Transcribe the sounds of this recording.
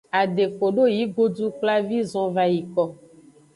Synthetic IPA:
a˨ɖe˨fo˨ɖo˦ji˨˦ɡo˦du˦k͡pla˦vi˦zɔ̃˦va˨ji˨kɔ˨

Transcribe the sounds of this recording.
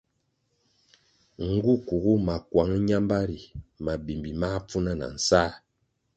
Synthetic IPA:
ŋ̩˨˦ɡu˦ku˨ɡu˦ma˨kwa˨˦ŋ˦ɲa˦mba˦ɾi˨ma˨bi˨mbi˨ma˦p͡fu˦na˦na̰˨n̩˨saː˦

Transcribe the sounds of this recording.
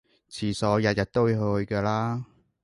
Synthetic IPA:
t͡sʰiː˨˩sɔː˨˧jɐ˨t̚jɐ˨t̚t̪o˥wɦhɵ˧ɥkɛː˧laː˥

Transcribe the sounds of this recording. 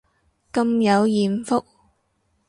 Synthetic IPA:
kɐ˧mjɐ˨˧wjiː˨˩nfʊ˥k̚

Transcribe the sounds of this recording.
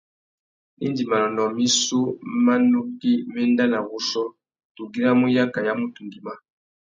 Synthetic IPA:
nḭ˦ndi˨ma˨lɔ˨nɔ˨mi˦su˦ma˦nu˦ki˦mɛ˦nda˦na˨ɣu˦sɔ˦ | tu˨ɡi˦ɾa˦mu˦ja˦ka˨ja˦mu˦tu˨ŋɡi˨ma˦

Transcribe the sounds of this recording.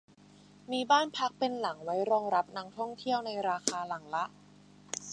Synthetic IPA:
miː˧baː˥˩npʰa˦˥k̚pe˧nla˩˦ŋwa˦˥jɾɔː˧ŋɾa˦˥p̚naː˧˥ŋt̪ʰɔ˥˩ŋt̪ʰi˥˩əwna˧jɾaː˧xʰaː˧la˩˦ŋla˦˥ʔ

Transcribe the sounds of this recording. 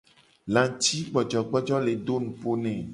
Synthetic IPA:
lã˨t̪i˦ɡ͡bɔ˨d͡ʒɔ˨ɡ͡bɔ˦d͡ʒɔ˦le˨ɖo˦nũ˨po˦nɛ̃˨

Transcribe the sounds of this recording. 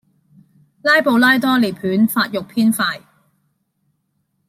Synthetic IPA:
laː˥jpo˨˧wlaː˥jt̪ɔː˥le˨˩pʰyː˨˥nfaː˧t̚jʊ˨k̚pʰiː˥nfaː˧j

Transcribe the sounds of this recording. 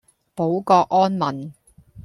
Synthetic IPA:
po˨˥wkɔː˧kʔɔː˥nmɐ˨n

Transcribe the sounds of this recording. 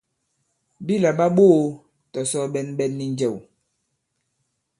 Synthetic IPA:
bi˦la˨ɓa˦ɓo˦ | tɔ˨sɔ˦ɓɛ˦nɓɛ˦nːi˨nd͡ʒɛ˨w

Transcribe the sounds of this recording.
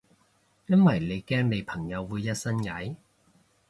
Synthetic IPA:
jɐ˥nwɐ˨˩jne˨˧jkɛː˥ŋne˨˧jpʰɐ˨˩ŋjɐ˨˧wwuː˨˧jːɐ˥t̚sɐ˥nŋɐ˨˥j

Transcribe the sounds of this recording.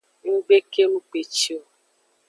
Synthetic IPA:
ŋ̩˦ɡ͡be˦ke˦lu˦k͡pe˨t͡ʃi˦o˨

